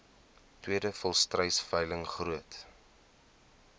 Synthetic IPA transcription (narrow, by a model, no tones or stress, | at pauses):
twiədəfɔlˠstrəjsfəjləŋχruət